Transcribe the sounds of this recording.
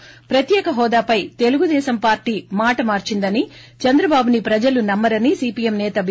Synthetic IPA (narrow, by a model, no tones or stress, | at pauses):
pɾɐt̪jɛːkɐɦɔːd̪aːpɐjt̪e̞luɡud̪ɛːʃɐmpaːɾʈiːmaːʈɐmaːɾt͡ʃind̪ɐnit͡ʃɐnd̪ɾɐbaːbunipɾɐd͡ʒɐlunɐmːɐɾɐnisiːpiːemnɛːt̪ɐbʱ